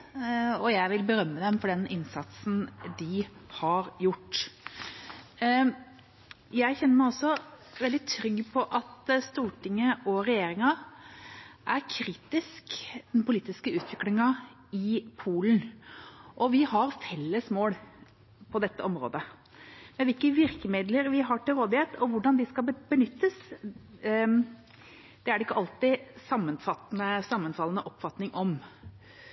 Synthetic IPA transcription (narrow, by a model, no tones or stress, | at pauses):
ɔjæɪʋɪlbəɾœmːəd̪ɛmfɔɖɛnɪnsɑt̪sn̩d̪ɪhɑɾjʊʈː | jæɪçɛnːəmæɪɔsːɔ | ʋɛld̪ɪt̪ʰɾʏɡpʰɔʔɑt̪st̪uːʈɪŋːəʔɔɾɛjeːɾɪŋɑ | ʔæɾkʰɾiːt̪ɪskd̪̥ɛnpʊliːt̪ɪskəʉːt̪ʰʋɪklɪŋɑ | ɪpʰuːln | ʔɔʋɪhɑɾfɛlːəsmoːɽ | pʰɔd̪ɛt̪ːəʔɔmɾo̰ːd̪ə | mɛnʋɪlkəʋɪɾkəmɪd̪ləɾʋɪɦɑʈɪlɾoːd̪ɪheːt̪ʰɔʋʊɖɑnd̪ɪskɑbənʏt̪ːəs | d̪̥ɛæɖɛɪkːəʔɑlt̪ɪsɑmːənfɑt̪ːnəsɑmːənfɑlənəʔɔpfɑt̪nɪŋʔɔm